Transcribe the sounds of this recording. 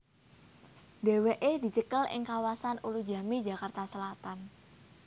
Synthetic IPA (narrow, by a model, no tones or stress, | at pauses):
d̥e̤weʔed̪̥i̤t͡ʃəkəlɪ̰ŋkawasanulud̥d͡ʒa̤mid͡ʒa̤kart̪asəlat̪an